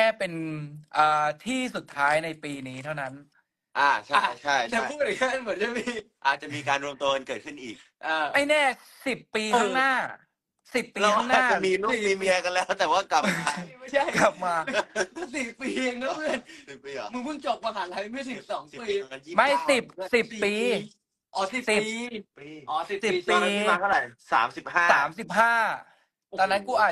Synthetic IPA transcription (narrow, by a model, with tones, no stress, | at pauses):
kʰɛː˥˩pe˧nʔəː˨˩t̪ʰiː˥˩su˨˩t̪ʰːaː˦˥jna˧jpiː˧niː˦˥t̪ʰa˥˩wna˦˥n | ʔaː˨˩t͡ɕʰa˥˩jt͡ɕʰa˥˩jt̪ɛː˨˩˥u˥˩k̚a˨˩jkʰɯ˥˩˨nmɯ˩˦ənt͡ɕa˨˩miː˧ʔaː˨˩t̪̚t͡ɕa˨˩miː˧kaː˧nɾu˧əmt̪oː˧nkɤː˨˩t̪̚kʰɯ˥˩nʔiː˨˩k̚ | ʔaː˧˩ma˥˩jnɛː˥˩ | si˨˩pːiː˧tʰaː˧˥ŋnaː˥˩ | si˨˩pːiː˧la˧t̪ʰa˥aŋnaː˨˩˥t͡ɕamiː˧nu˦˥˧iː˧mi˧ka˧nlɛː˦˥˩wt̪ɛː˨˩waː˥˩kla˨˩˧kla˨˩p̚maː˧mɯ˥˩si˨˩pːiː˧e˧˩ŋnɔ˦˥i˧ni˨˩iː˧mɯ˧ŋpʰɯ˥˩ŋt͡ɕo˨˩k̚pa˧ɦaː˩˦nt̪ʰa˧˦ja˧˦mɯ˥˩əs̬i˨˩p̚sɔː˨˩˦ŋ˨piː˧˦ma˥˩jsi˨˩p̚si˨˩pːiː˧ | ʔɔ˨˧˦si˨˩si˨˩i˧ | ʔɔ˨˧˦i˨˩siː˨˩˧aː˧t̪ʰɾa˨˩jsa̰ː˩˦msi˨˩p̚haː˥˩saː˩˦msi˨˩p̚haː˥˩ | t̪ɛː˨˩na˦˥nkuː˧˩ʔaː˨˩